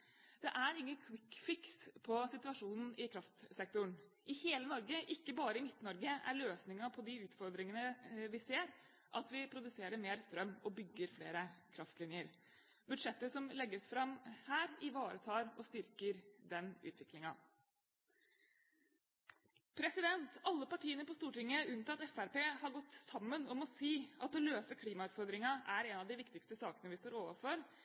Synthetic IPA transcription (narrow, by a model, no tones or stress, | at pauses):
d̪̥ɛʔæɾɪŋːənkʰʋɪkfɪkspʰɔsɪt̪ʉɑʂuːnn̩ɪkʰɾɑft̪sɛk̚t̪ʊɳ | ʔɪheːlənɔɾɡəʔɪkːəbɑːɾəɪmɪt̪ːnɔɾɡəæ̰ɾløːsnɪŋɑpʰɔd̪ɪʉːt̪fɔɾd̪ɾɪŋənəʋɪseːɾ | ʔɑt̪ʋɪpʰɾʊd̪ʉseːɾəɾmeːɾst̪ɾœmːɔbʏɡːəɾflḛːɾəkʰɾɑft̪lɪnjəɾ | bʉd̪ʂɛt̪ːəsɔmlɛɡːəsfɾɑmhæːɾɪʋɑːɾət̪ʰɑːɾɔst̪ʏɾkəɾd̪ɛnʉ̰ːt̪ʰʋɪklɪŋɑ | pʰɾɛsɪd̪ɛnt̪ɑlːəpɑʈʰiːənəpɔst̪uːʈɪŋːəʉnt̪ʰɑt̪ɛfæɾpeːhɑɾɡɔt̪ːsɑmːənɔmɔsiːɑt̪ɔløːsəkʰliːmɑʉːt̪fɔɾd̪ɾɪŋɑʔæɾɛnɑʋd̪ɪʋɪkt̪ɪkst̪əsɑːkənəʋɪst̪oːɾoːʋəɾfɔɾ